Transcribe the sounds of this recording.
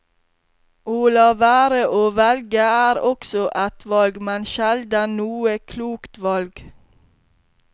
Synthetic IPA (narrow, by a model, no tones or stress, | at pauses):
uːlɑʋæːɾəʔoːʋɛlɡəæːɾɔksɔʔɛt̪ʋɑlɡmɛnʃɛld̪ənuːəkʰluːkt̪ʋɑlɡ